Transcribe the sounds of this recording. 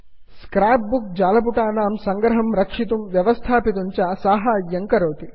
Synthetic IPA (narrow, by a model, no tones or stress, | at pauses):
skɾaːp̚buk̚d͡ʒaːlɐp̬uʈaːnaːmsɐŋɡɾɐɦɐmɾɐkʂit̪umʋjɐʋɐst̪ʰaːpit̪uɲt͡ʃɐsaːɦaːjɐŋkɐɾoːt̪i